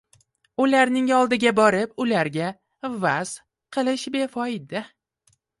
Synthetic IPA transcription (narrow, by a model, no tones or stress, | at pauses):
ʊlaɾnɪŋɒlˠd̪ɪɡʲabɒɾɪpʊlaɾɡʲa | vaz̥ | qʰɨlˠɪʃbe̞fɒɪd̪ɪ